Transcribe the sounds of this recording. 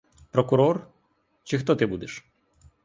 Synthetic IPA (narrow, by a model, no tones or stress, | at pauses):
pɾɔkʊɾɔr | t͡ʃɪxt̪ɔt̪ɪbud̪ɪʃ